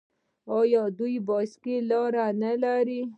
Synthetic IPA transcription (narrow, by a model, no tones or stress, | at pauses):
ojod̪uiboːskilɔɾanelaːɾi